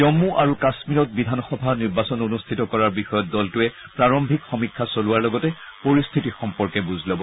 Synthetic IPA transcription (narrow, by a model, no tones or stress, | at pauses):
omuʔaɹukasmiɹɔt̚bidʱanɔxɔbʱaniɹbasɔnonustʰitɔkɔɹaɹbixɔjɔt̚dɔltuɛpɹaɹɔmbʱikxɔmikʰːasoluwaɹlɔɡɔtɛpoɹist̪ʰitixɔmpɔɹkɛbuzʱlɔbɔ